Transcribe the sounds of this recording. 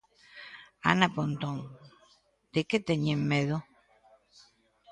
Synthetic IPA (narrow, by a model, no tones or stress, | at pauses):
a̰napont̪oŋ | t̪eket̪eɲemmeðo